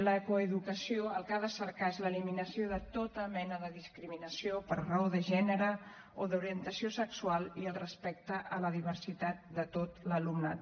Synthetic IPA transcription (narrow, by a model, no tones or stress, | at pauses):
ləkoəðukəsioəlˠkaðəsəɾkaezləliminəsioðət̪ot̪əmɛnəðəðiskɾiminəsiopəɾrəoðəʒɛnəɾə | oðuɾiənt̪əsiosəksualˠiəlˠrəspɛk̚t̪əʔələðiβ̞əɾsit̪at̪̚d̪ət̪ot̪ləlumnat̪